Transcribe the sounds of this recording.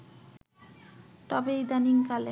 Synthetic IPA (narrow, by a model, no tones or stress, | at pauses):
t̪ɔbejd̪aniŋkale